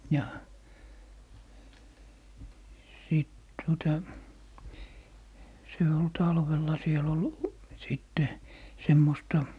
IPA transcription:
jɑ siˑt tuotɑ se ol tɑlʋelːɑ siel ol siˑtːe semːostɑ

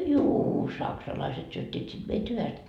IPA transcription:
juː sɑksɑlɑiset syøtʲːiːt sit meit hyʋæst

